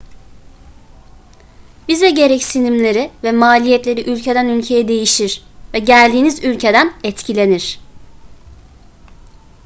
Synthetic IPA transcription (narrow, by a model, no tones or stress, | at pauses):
bizɛɟe̞ɾɛcsinimlʲe̞ɾivɛmaːlʲijɛt̪lʲe̞ɾiʔylʲcʰe̞d̪ænylʲcʰe̞jɛd̪e̞jiʃiɾ̥vɛɟælʲd̪iːnizylʲcʰe̞d̪ænɛt̪cʰilʲe̞niɾ̝̥